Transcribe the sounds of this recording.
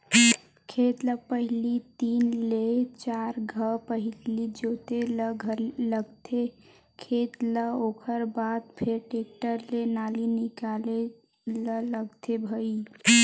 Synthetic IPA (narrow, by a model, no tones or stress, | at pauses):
kʰet̪ləpəɦilit̪inlet͡ʃaɾɡʱəpəɦilid͡ʒot̪eləɡʱəɾləɡt̪ʰe | kʰet̪ləokʰəɾbad̪̚pʰeɾʈek̚ʈəɾlenalinikale | lələɡt̪ebʱəi